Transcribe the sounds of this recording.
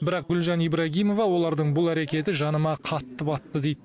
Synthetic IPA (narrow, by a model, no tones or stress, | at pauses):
bɪɾɑq̚ɡʲʏlˠʒɑnijbɾɑɡʲijmo̞vɑwo̞lˠɑɾd̪əɴbʊlˠæɾe̞kʲe̞t̪ɪʒɑnəmɑqʰɑt̪ːəpɑt̪ːəd̪e̞jd̪